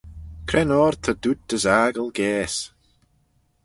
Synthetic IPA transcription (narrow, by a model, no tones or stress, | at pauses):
kʰɾɛnɔːɹt̪ʰəd̪̥ud̚d̪əzaːɡəlˠɡɛːs